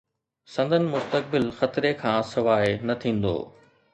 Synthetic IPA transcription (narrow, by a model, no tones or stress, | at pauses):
sɐ̃nd̪ʱənɪ̆mʊst̪ək̚bɪlxɐt̪ɪɾekʰãːsɪʋaːenɐt̪ʰĩːn̆d̪o̰ː